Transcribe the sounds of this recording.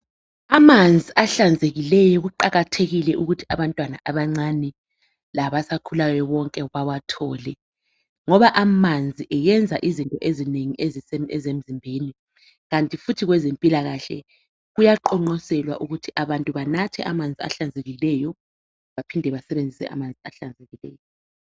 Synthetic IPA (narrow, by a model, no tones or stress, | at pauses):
amand͡zʱiʔaɬand͡zʱeɣilɛjɔɣuǃaɣatʰeɣilɛʔuɣutʰiaβantʼwana̰ʔaβaŋ͡ǀanɛ | laβasakʰulajɔβɔŋkʼɛβawatʰɔːlɛ | ŋɔβaʔamand͡zʱiʔɛjɛnd͡zʱaʔizintʼɔʔezineŋiʔezisɛɛzem̩zimbʱeːni | ɣantʼifutʰiɣwɛzempʼilaɣaɬɛ̰ | ɣujaǃɔŋ͡ǃɔsɛlwa̰ʔuɣutʰiʔaβantʼuβanatʰɛ̰ʔamand͡zʱia̰ɬand͡zʱeɣilɛjɔ | βapʰindʱɛβasɛβend͡zʱisɛ̰ʔa̰mand͡zʱia̰ɬand͡zʱeɣilɛ̰ːjɔ